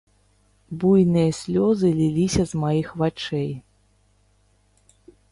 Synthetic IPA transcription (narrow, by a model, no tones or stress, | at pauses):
bujnɨjɐsʲlʲɔzɨlʲilʲisʲɐzmajixvat͡ʂɛj